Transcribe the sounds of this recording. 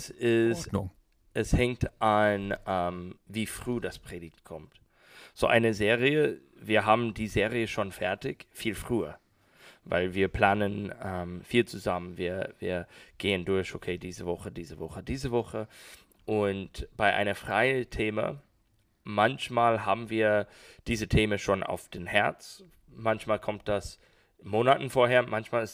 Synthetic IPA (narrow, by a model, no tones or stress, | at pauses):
sɪs | ʔɛshɛŋ̚tʔanɛmviːfʁ̥uːdaspʁ̥eːdɪçtkʰɔmt | z̥o̰ːʔa̰ɪnəzeːʁiə | viːɐɦaːbm̩diːzeːʁiəʃoːnfɛɐtɪçfiːlfʁ̥yːɐ | va̰ɪlviːɐpʰl̥aːnənɛmfiːlt͡suzamənviːɐvḭːɐɡ̥eːəndʊɐçokʰeːdiːzəvɔχədiːzəvɔχədiːzəvɔχə | ʔʊntb̥aɪʔa̰ɪnɐfʁ̥aɪəntʰeːmə̰ | mançmaːlɦaːbm̩viːɐd̥iːzətʰeːməʃoːna̰ʊfd̥enhɛɐt͡s | mançmaːlkʰɔmt̚d̥as | moːnatn̩foːɐheːɐmʔançmaːlɪs